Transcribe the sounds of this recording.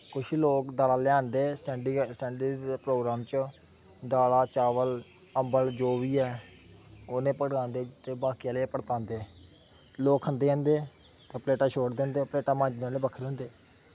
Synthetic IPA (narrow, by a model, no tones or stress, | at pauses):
kʊʃloːkd̪aːlaːljaːnd̪eːsʈɛːɳɖisʈɛ̃ːɳɖəpɾoːɡɾaːmt͡ʃ | d̪aːlaːt͡ʃaːʋəl | əmbəld͡ʒoːʋiːɛː | oːnẽːpəɽãːnd̪eːt̪eːbaːkijaːleːpəɽt̪ãːnd̪eː | loːkʰːənd̪eːãːnd̪eː | t̪aːpleːʈaːʃʰoːɽd̪ẽːnd̪eːpleːʈaːmãːɲd͡ʒnaːleːbəkʰəɾeɦʊ̃ːnd̪eː